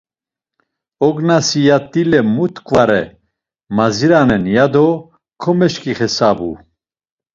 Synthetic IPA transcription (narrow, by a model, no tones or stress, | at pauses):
ɔɡnasijat̪ʼːilɛmut̪ʰʼkʼvaɾɛ | maziɾanɛnjad̪ɔ | kʰɔmɛʃkʼiχɛsabṵ